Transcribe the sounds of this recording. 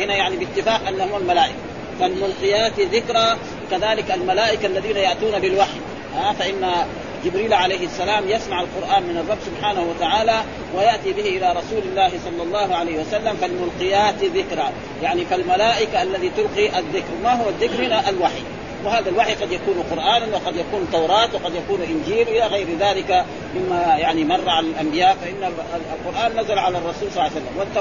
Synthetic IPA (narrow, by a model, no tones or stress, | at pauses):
hɪnajaʕnibɪt̪ːɪfaːqʔanːahʊwalmalaːʔɪka | falmʊlqɪjaːt̪ðɪkɾa | wkaðaːlɪkalmalaːʔɪkaʔalːaðiːnajaʔt̪uːnabɪlwaħj | haːfaʔɪnːa | d͡ʒɪbɾiːlʕalajhɪasːalaːmjasmaʕalqʊɾʔaːnmɪnɑrˤːɑbːsʊbħaːnahuwat̪aʕaːla | wajaʔt̪ibɪhiʔɪlaɾˤɑsuːlɪlːaːhisˤɑlːɑlˤːɑːhuʕalajːhiwasalːamkalmʊlqɪjaːt̪ðɪkɾaː | jaʕnifilmalaːʔɪkaʔalːaðit̪ʊlqiʔaðːɪkɾmaɦʊwaðːɪkɾnaʔalwaħḭ | wɪhaːðalwaħjqɑd̪jakuːnqʊɾʔaːnanwɪqɑd̪jakuːnt̪ːawɾˤɑːt̪wɪqɑd̪jakuːnʔɪnd͡ʒiːlʔɪlaɣajɾðaːlɪka | mɪmːajaʕnimɑrˤːɑʕanalʔambɪjaːʔfaʔɪnːaalqʊɾˤʔaːnːazalʕalarˤːɑsuːlsˤɑsalːamwat̪ː